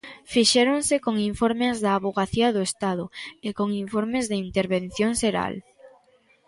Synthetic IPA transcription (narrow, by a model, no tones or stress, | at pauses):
fiʃeɾoŋsɪkoŋiɱfoɾmezðɐːβoɣaθiɐðoest̪aðʊekoŋiɱfoɾmezðeint̪eɾβen̟θjoŋʃeɾa̰l